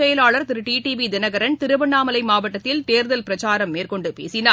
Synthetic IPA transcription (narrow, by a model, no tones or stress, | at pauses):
ɐjɐlaːɭɐɾt̪ɪɾɯʈiːʈiʋid̪ɪnɐɣɐɾɐnt̪ɪɾɯʋɐɳːaːmɐlɐɪmaːʋɐʈːɐt̪ːɪlt̪eːɾðɐlpɪɾɐt͡ʃaːɾɐmːeːrkɔɳɖɯpḛːsɪna